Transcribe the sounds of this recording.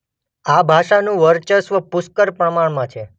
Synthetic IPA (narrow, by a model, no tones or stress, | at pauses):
abʱaʃanũʋəɾt͡ʃəsʋəpʊskəɾpɾəmaɳmãt͡ʃʰe